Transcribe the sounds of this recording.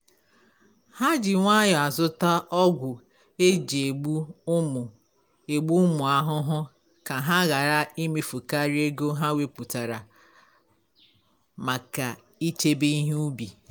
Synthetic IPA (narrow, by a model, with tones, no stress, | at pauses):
ha˦d͡ʒɪ˨ŋʷa˦ja˨zʊ˦ta˦ʔɔ˦ɡʷʊ˨ | e˦d͡ʒe˨ɡ͡bu˦ʊ˦mʊ˨ | e˨ɡ͡bu˦mʊ˨a˦ɦʊ˦ɦʊ˦ | ka˨ɦa˦ɣa˨ɾa˦i˦mi˨fu˨ka˦ɾi˦e˦ɡo˦ɦa˦we˦pu˨ta˨ɾa˨ | ma˨ka˨ | i˦t͡ʃe˦bi˦i˦ɦu˦bi˨